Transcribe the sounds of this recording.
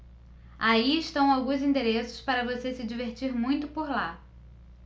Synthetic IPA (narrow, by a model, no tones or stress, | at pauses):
aiɪʃt̪ɐ̃w̃awɡũzĩd̪eɾesʊ̥spaɾɐvosesɪd͡ʒiveɾt͡ʃiɾmũj̃t̪ʊpoɾla